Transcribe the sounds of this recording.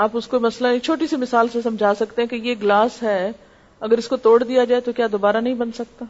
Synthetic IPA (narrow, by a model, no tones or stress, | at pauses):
aːpʊskomɐslat͡ʃʰoːʈisimɪsaːlsesɐ̃md͡ʒʱaːsɐkt̪eɦɛ̃kejeɡlaːsɦɛː | ɐɡəɾɪskot̪oːɽd̪ijad͡ʒaːet̪okjaːd̪oːbaːɾanɐɦĩbɐnsɐk̚t̪aː